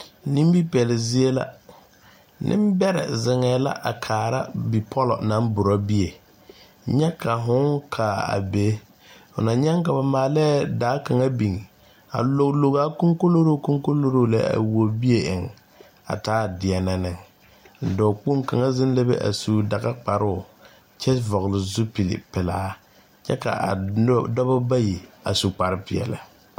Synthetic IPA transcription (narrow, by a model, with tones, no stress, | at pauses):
nĩ˦m˦bi˦pɛ˨lɪ˨zi˦e˦la̰˦ | nʔɪ̰̃˦m˦bɛ˦ɾɛ̰˨zɪ˨ŋɛː˨la̰˦ʔa̰˨kʰaː˨ɾa̰˦bi˨pʰɔ˦lɔ̰˨na˦bʊ˨ɾɔ˦bi˦e˨ | ɲɛ˦kʰa˨ɦʊ̃˦ŋkʰa˨a̰˨be˨˦ | fʊ̰˨na˨ɲɛ˦ŋka˨ba˨maː˨lɛ˦daː˨˦ka˨ŋa˦bi˨ŋi˨ | a̰˨lo˨klo˨ɣa˨˦ko˦ŋko˦lo˦ɾo˦˨ko˦ŋko˦lo˦ɾo˦˨la˦a̰˨wo˨bi˦e˦ʔɪ˨ŋ | a̰˨taː˦˨dɪ˨ɛ˨na˨nɪ˨ŋ | n̩˨dɔ˨k͡po˦ŋka˨ŋa˦zɪ˦n˦le˦bḛ˦ʔa̰˨su˨˦da˨ɣa˦k͡pa˨ɾʊ˦˨ | t͡ʃɛ˦vɔ˨ɣlɪ˨zu˦pi˨lɪ̰˨pɪ˨laː˦ | t͡ʃɛ˦ka̰˨ʔa˨˦dɔ˦ba˦ba˦ji˨a̰˨su˨k͡pa˨ɾɪ˦pɪ̰˨ɛ̰˨la̰˨